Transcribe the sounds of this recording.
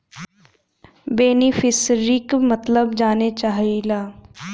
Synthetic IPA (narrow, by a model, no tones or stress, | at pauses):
beːnifʰɪsɾikmət̪ləbd͡ʒaːnet͡ʃaːɦilaː